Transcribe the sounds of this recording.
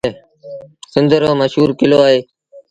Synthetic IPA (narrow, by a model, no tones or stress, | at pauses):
sɪnd̪əɾoːməʃɦuːɾkɪloːaːɦeː